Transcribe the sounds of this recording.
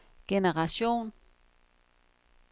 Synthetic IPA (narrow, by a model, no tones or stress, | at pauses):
kenaʁaʃoːn